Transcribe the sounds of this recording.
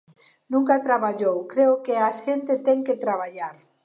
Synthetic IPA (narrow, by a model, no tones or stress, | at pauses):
nũŋkat̪ɾaβaʎowkɾeokeasʝẽnt̪et̪eŋket̪ɾaβ̞aʎaɾ